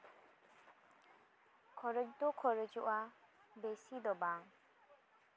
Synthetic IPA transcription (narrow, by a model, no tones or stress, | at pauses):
kʰɔɾəd͡ʒd̪ɔkʰɔɾəd͡ʒuʔabesid̪ɔbaŋ